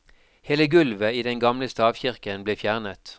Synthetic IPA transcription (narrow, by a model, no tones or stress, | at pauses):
heːləɡʉlʋəiːd̪ɛŋɡɑmləst̪ɑːʋçɪʁkənbleːfjæːʁnət̪